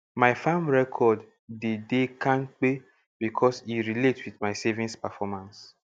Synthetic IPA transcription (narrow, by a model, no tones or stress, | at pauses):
maɪfãmɹɛkʰɔdː | edekãŋk͡pe | b̥ikʰɔsiɾiletwiθmaɪsevĩnspɛfɔmãns